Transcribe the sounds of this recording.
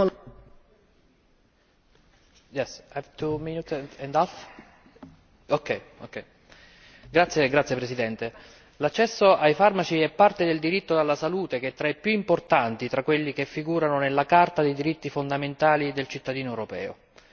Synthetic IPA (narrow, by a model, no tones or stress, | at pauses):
jɛsavt̪uminut̪ɛnd̪alf | okːɛjokːɛj | ɡɾat̪sːjeɡɾat̪sjepɾesid̪ɛnt̪e | lat͡ʃːɛsːoajfarmat͡ʃiɛpːart̪ed̪eld̪iɾit̪ːod̪alːasaluːt̪ek̟et̪ːɾaepːjuimport̪ant̪it̪ɾakːwelːik̟efːiɡuːɾanonelːakart̪ad̪ejd̪iɾit̪ːifond̪ament̪aːlid̪elt͡ʃit̪ːad̪iːnoɛwɾopɛ̰ːo̰